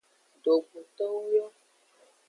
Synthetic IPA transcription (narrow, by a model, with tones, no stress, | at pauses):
do˨ɡ͡bu˨t̪ɔ˦wjɔ˦